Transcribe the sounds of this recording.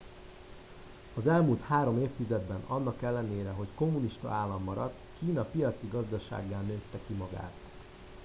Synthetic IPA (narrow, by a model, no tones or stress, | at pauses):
ɒzɛlmult̪haːɾo̞meːft̪izɛd̪bɛnɒnːɒkɛlːɛneːɾɛɦo̞cko̞mːuniʃt̪ɒ̰aːlːɒmːɒɾɒ̰t̪ːkiːnɒpijɒt̪siɡɒzd̪ɒʃa̰ːɡːaːnøːt̪ːɛkimɒɡa̰ːt̪